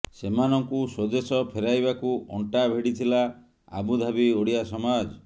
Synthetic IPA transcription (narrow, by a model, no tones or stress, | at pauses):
semanɔŋkusod͡ʒesɔpʰeɾajbakuɔɳʈabʱeɽit̪ʰila | a̰bud̪ʱabioɽiasɔmad͡ʒɔ